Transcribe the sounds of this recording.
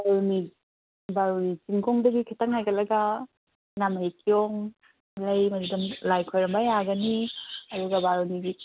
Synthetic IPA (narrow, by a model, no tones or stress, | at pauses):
baɾuni | baɾunit͡ʃiŋɡoŋdɐɡikʰitɐŋajɡɐlɐɡɐ | namekijɔŋ | lɐjmɐdudumlajkʰojɾɐmbɐjaɡɐniɐduɡɐbaɾuniɡi